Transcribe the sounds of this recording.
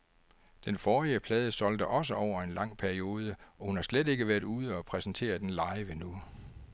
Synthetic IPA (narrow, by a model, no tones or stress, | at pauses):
d̥enfɒːiəpʰlɛːð̞ˠəsɒ̽ld̥əʔɒ̽s̬əɒʊ̰ɐe̝nlɑ̈ŋ̰pʰæɐio̝ːð̞ˠəɒ̽hunhɑ̈slede̝ɡ̥əʋæɐ̰d̥uːð̞ˠəɒ̽pʰʁɛsn̩t͡sʰe̝̰ːɐd̥enlɑ̈ɪʋənu